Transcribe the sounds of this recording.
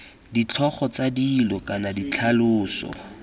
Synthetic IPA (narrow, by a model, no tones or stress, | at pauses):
dit͡ɬʰɔχɔt͡sadilɔkʼanadit͡ɬʰalʊːsɔ̰